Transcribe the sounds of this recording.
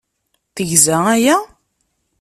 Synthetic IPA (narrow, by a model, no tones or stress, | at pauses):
θəʝzææjæ